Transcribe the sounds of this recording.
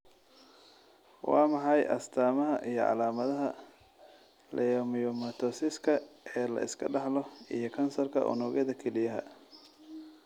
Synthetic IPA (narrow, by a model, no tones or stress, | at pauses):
wʔɑ̰ːmɑħɑjʔɐ̰st̪ʰaːmɐɦɐʔijɔ̰ʕɑ̰laːmɐðɐɦɐ | lʔɛjɔmɪjɔmɐt̪ʰɔsɪskʰɐʔɛːlɐ̰ʔɪskʰɐɖɑħlɔijɞkʰɐnsɐrkʰɐ̰ʔʊ̰nɔːɣɐðɐkʰɛlɪjɐɦɐ̰